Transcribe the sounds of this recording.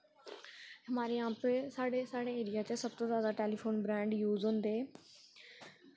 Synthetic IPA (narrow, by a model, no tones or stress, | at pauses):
həmaːɾiːãːpsaːɽeːsaːɽeːeːɾɪjaːt͡ʃəsəb̚t̪oːzjaːd̪aːʈeːliːpʰoːnbɾɛ̃ːɳɖjuːzɦõːnd̪eː